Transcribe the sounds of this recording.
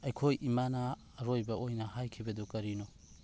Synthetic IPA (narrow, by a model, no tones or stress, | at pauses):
ɐjkʰojʔimanɐː | ɾojbɐʔojnɐhajkʰibɐdukɐɾino